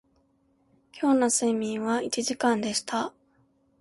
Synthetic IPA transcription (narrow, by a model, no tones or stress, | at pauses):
kʲʰo̞ːnosɨmʲĩɰ̃βait͡ɕiʑikãnd̪e̞ɕi̥t̪ʰa